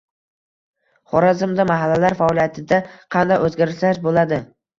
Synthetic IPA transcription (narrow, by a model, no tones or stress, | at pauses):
χɒɾazɪmd̪amaɦalːalaɾfaɒlijat̪ʰɪd̪aqʰɑnd̪ajɵzɡʲaɾɪʃaʃbolad̪ɪ